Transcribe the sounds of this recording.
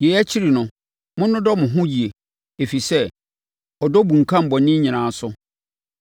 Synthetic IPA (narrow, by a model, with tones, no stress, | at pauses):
je˨jæ˦t͡ɕʰi˦ɾi˨nʊ̃˦ | mʊ̃˦nːʊ̃˦dɔ˦mʊ̃˨ɦʊ̃˦ji˨e˨ | e˨fi˨sɛ˦ | ɔ˨dɔ˦bũ˨ŋ̩˨kʰã˦m̩˨bɔ˨nɪ̃˦ɲĩ˨nãː˨˦sʊ˦